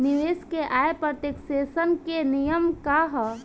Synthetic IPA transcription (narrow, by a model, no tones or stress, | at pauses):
nɪʋeːskeʔaːepɾət̪eːkseːsənkenijəmkaɦ